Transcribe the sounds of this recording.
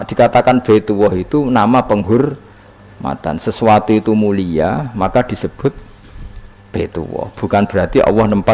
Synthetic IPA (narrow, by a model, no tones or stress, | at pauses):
d̪̥i̤kat̪akanb̥et̪uwɔɦit̪unamapəŋɡʊr | ma̰t̪a̰nsəsuat̪uit̪umuliamakad̪̥i̤səb̥ʊ̤t̪̚ | b̥et̪ṵwɔ̰hb̥ṳkanb̥əɾat̪iʔɔ̰wɔhnəmpa